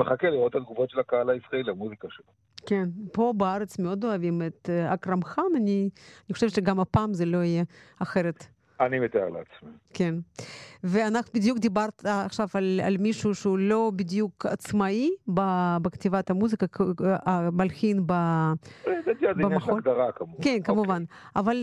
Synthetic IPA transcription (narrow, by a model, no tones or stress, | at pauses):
meχakeliʁot̪ad̪ɡuvot̪ʃelakaalaisʁaeliamuzikaʃela | kenpo̞beaɾet͡smeo̞d̪oavimet̪akramxananianixo̞ʃevt̪ʃeɡamapaːmzelo̞ijeaxeɾet̪ | animet̪aḛʁlḛat͡smiken | veanaχnubid̪jukd̪ibaɾt̪ːχʃavala̰lmiʃuʃeulo̞bid̪jukat͡smaibabekt̪ivat̪amuzikaabalxinba | ed̪et̪iad̪baaxaod̪aʁakamukenkamuvanaval